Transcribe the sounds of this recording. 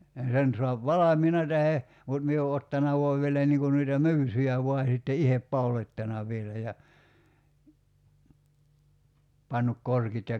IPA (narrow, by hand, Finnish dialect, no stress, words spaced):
jɑ sen soɑp ʋɑlɑmiːnɑ tæhe mut mie o otːɑnɑ ʋoɑʋ ʋielæ niːŋ kun noitɑ my̞ysyjæ ʋoɑ sitːe ihep pɑulotʲtɑnɑ ʋˑielæ jɑ pɑnːuk korkit jɑ